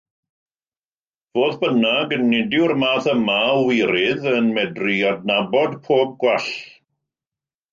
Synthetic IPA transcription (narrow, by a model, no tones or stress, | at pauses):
v̥oːðbənaɡənːɪdɪwrmaːθəmawɪɾɪðənmɛdriɔdnabɔdpʰoːb̚ɡwɛɬ